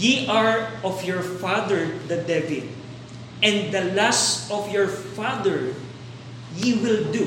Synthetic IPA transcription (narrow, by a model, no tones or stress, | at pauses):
jiʔaɹɔfjɔɹfad̪ɛɹd̪ɐd̪ɛvɪd̪ | ʔɛ̃nd̪ɐlasɔfjɔɹfad̪ɛɹ | jiwɪld̪u